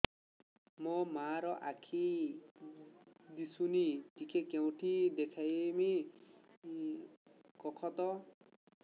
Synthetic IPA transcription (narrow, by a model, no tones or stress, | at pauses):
mɔmaɾɔʔakʰi | d̪isunitikʰekew̃ʈʰid̪ekʰajme | kɔkʰɔt̪ɔ